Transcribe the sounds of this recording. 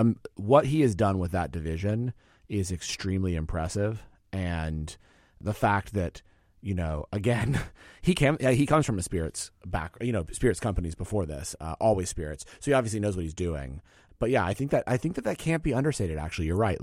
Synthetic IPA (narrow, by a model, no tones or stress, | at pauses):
wʌt̚ɦiɨzdʌ̃nwəðət̚d̥ɨvɪʒɨ̃n | ɪzɨkstɹ̥ĩmliɨ̃mpʰɹ̥ɛsɪv | ɨ̃n | ðəfæk̚t̪̚ðɨt̚ | jɨnoʊʔəɡɛ̃nikʰæ̃nhikʰʌ̃mz̥fɹʌ̃mðɨspɪɹɨ̰tsb̥æ̰kjɨñoʊspɪɹɨtskʰʌ̃mpənizbəfɔɹðɪ̰sʌ̰ʔɔlˠwiz̥spɪɹɨtssoʊiɑbviɨslinoʊzwʌt̚hizdʉɪ̰̃ŋ | b̥ʌt̚jæaɪθɪ̃ŋk̚ðɨɾʔaɪθɪ̃ŋk̚ðɨt̪̚ðɨt̚kʰæ̃nb̥iʌ̃ndə˞steɪɾɨɾæ̰k̚t͡ʃʉl̩ˠijə˞ɹaɪʔ